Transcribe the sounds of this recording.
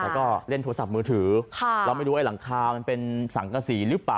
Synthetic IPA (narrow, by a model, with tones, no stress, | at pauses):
lɛː˦˥wkɔː˥˩le˥˩nt̪ʰoː˧sa˨˩p̚mɯː˧t̪ʰɯː˩˦kʰla˧ma˥˩jɾuː˦˧˩la˩˦ŋkʰaː˧ma˧npe˧nsa˩˦ŋka˧siː˩˦ɾɯ˦˥plaː˨˩